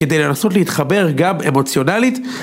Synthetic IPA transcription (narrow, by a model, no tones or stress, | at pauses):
ked̪e̞jle̞naso̞tleit̪χabe̞ʁɡame̞̰mo̞t͡sjo̞nalit̪